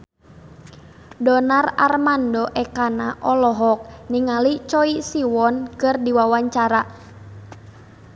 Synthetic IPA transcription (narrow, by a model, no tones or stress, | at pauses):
dɔnara̰rmandɔʔɛkanaʔɔlɔɦɔk̚niŋalit͡ʃɔisiwɔnkɨrdiwawaɲt͡ʃaɾa